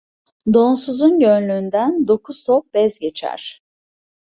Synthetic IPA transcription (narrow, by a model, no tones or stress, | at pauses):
d̪o̞nsuzunɟønlʲyːnd̪ænd̪o̞kʰuz̥t̪ʰop̚bɛzɟe̞t͡ʃʰæ̰ɾ̥